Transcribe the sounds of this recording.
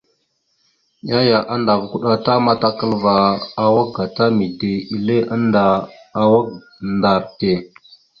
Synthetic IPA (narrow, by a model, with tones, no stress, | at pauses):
ja˦ja˨ʔa˦nda˨vku˦ɗa˦ta˦ma˦ta˦kə˦lva˨a˨wa˦k̚ɡa˨ta˦mi˨de˨i˨le˦ʔa˦ndaː˨wa˦k̚ | nda˨ɾte˨